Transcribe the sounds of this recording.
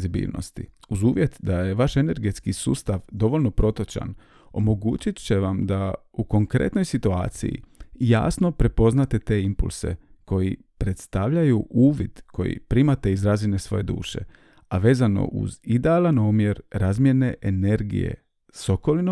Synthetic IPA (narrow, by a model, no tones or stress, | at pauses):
zibḭːlˠno̰st̪ḭuzuːʋjet̪d̪aje̞ʋaʃe̞ne̞ɾɡe̞t̪skisṵːst̪aʋd̪o̞ʋo̞lʲno̞pɾo̞t̪ot͡ʃa̰n | o̞̰mo̞ɡuːt͡ʃit̪t͡ɕe̞ʋamd̪a | uko̞ŋkɾḛt̪no̞jsit̪ua̰ːt̪sḭjḭja̰ːsno̞pɾe̞po̞znat̪e̞t̪e̞impṵlˠse̞̰ | ko̞ji | pɾe̞t̪st̪aʋʎajuʔuːʋid̪̥kʰo̞̰jḭpɾiːmat̪e̞izɾazine̞sʋo̞̰je̞d̪ṵːʃe̞̰ | aʋe̞ːzano̞̰ʔṵzid̪e̞alˠanoːmje̞ɾɾazmje̞ne̞ʔene̞ɾɡḭjḛ | so̞ko̞lino